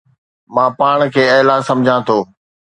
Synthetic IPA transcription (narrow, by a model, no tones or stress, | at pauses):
mãːpaːɽ̃kʰeːeːlãːsɐ̃md͡ʑʱãːt̪ʰoː